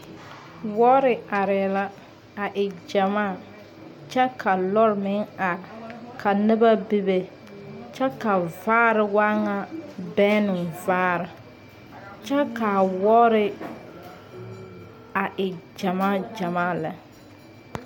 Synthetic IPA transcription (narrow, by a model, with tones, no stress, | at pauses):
wɔ˦ɾɪ˨a˨ɾɛ˨la˦ | a˨ʔɪ˨d͡ʒa˨maː˦˨ | t͡ʃɛ˦ka˨lɔ˦ɾmɪ˦ŋa˨kʰa˨nɪ˦ba˦bi˦be˦ | t͡ʃɛ˦ka˨vaː˦ɾɪ˨wa˦ŋa˨bɛː˦nɪ˨vaː˦ɾɪ˨ | t͡ʃɛ˦ka˨wɔː˦ɾɪ˦ | a˨ʔɪ˨d͡ʒa˨maː˦˨d͡ʒa˨maː˦˨la˨